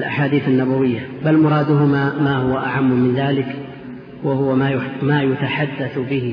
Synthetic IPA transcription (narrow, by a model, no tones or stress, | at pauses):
lʔa̰ħaːd̪iːθanːabawɪjːabalmʊɾˤɑːd̪ʊɦʊmaːmahʊwaʔa̰ʕamːʊmɪnðaːlɪk | wahʊwajmaːjʊt̪aħad̪ːaθbɪhɪ